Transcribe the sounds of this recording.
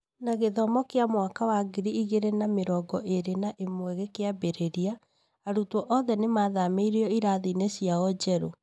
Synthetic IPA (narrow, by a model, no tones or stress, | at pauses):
naɣeðɔmɔkeamwakawaɡiɾiiɣeɾenameɾɔːɡɔʔeɾenaʔemwɛɣekeabeɾeɾia | aɾutwɔʔɔðɛnemaðameiɾeɔiɾaðinesjaɔd͡ʒɛɾo